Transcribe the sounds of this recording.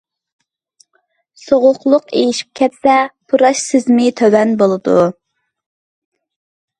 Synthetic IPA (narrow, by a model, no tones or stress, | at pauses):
soʁʊqlˠʊqejiʃi̥p̚kʲʰɛt̪sɛpʰuɾɑʃsɪzmɪt̪ʰøwɛnbolˠɨd̪u